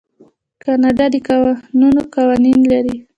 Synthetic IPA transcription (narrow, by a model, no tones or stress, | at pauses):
kanad̪ad̪ikawanunokawaninlaɾi